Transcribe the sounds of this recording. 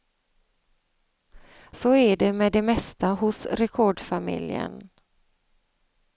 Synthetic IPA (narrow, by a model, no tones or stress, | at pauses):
sɔæɖɛmɛd̪ɛmɛst̪aɦʊsɾɛkʰɔɖfamɪ̰ljə̰n